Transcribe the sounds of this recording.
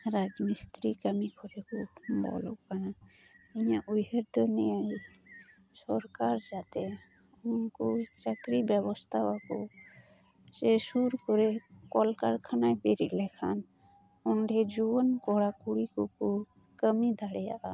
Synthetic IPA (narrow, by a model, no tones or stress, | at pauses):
ɾad͡ʒmist̪ɾikəmikʰɔɾɛkubɔ̰lɔ̰ʔkana | iɲaʔujɦeɾd̪ɔnijaj | sɔɾkaɾd͡ʒat̪ɛ | unkɔt͡ʃəkɾibjɛbɔst̪ʰawakɔ | sesuɾkɔɾɛkɔlkaɾkʰanajbeɾiʔlɛkʰan | ɔnɖɛd͡ʒuɔnkɔɽakuɽikuku | kəmid̪ʱaɽɛja̰ʔa